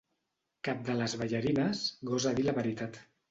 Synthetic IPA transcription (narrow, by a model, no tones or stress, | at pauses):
kap̚d̪ələzβəʎəɾinəsɣɔzaðiləβəɾit̪at̪